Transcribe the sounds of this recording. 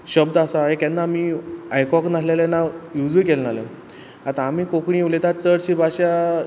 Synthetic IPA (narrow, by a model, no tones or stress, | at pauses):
ɕəbd̪asaɦekɛnːaːmiajkɔknaslelenːajud͡zukelnalẽ | at̪ãːmiːkokɳiʋlet̪at̪t͡səɽɕiːbʱaɕa